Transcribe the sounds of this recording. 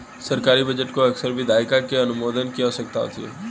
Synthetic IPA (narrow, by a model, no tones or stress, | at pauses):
sɐɾkaːɾibɐd͡ʒəʈkoɐksəɾbʱid̪aːɪkakeɐnʊmoːd̪ənkiaɦosɐkt̪a̰ɦo̰t̪ʰiḛː